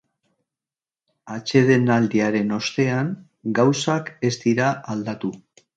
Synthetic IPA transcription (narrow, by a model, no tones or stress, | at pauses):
at͡ʃe̞ð̞e̞nald̪iaɾe̞no̞st̪e̞aŋ | ɡawsake̞zd̪iɾaald̪at̪u